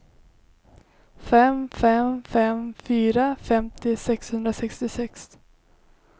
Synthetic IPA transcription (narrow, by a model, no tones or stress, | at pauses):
fɛmfɛmfɛmfyːɾafɛmt̪ɪsɛkshɵnd̪ɾasɛkst̪ɪsɛks